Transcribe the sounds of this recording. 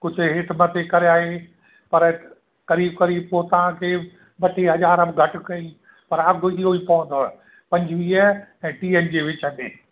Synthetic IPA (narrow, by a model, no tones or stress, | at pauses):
kʊd͡ʑʱʊ̆ɦɪʈʰmɐt̪ʰekɐɾeaːɦe | pɐɾ | kɐɾiːb̚kɐɾiːb̚pot̪ɐʋ̤ãkʰeː | bɐʈʰeɦɐzaːɾəbɡʱɐʈʊ̆kɐi | pɐɾɐɡɪɦoipɐʋə̃nd̪oɛ | pɐ̃ɲd͡ʑʋiːəɛ̃ːʈiːend͡ʑeːʋɪt͡ɕəmḛ̃ː